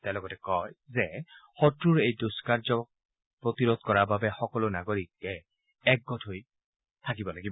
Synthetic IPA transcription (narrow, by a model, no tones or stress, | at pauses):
tɛlɔɡɔtɛkɔjzɛxɔtɹuɹejdoskaɹzɔk̚ | pɹotiɹod̚kɔɹababɛxɔkɔlʊnaɡoɹik̚ɛ | ɛk̚ɡɔtʰoj | tʰak̬ibɔlaɡib